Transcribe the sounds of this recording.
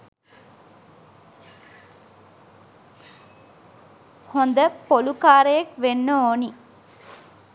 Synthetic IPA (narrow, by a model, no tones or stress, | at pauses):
hond̪əpolukaːɾəjɐkʋenːəoːni